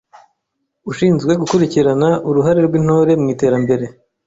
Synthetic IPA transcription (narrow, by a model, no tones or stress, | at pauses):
uʃiːnzɡwe̞ɡukuɾiciɾanaʔuɾuɦaɾe̞ɾɡwin̥ho̞ːɾe̞mŋiːte̞ːɾambe̞ɾe̞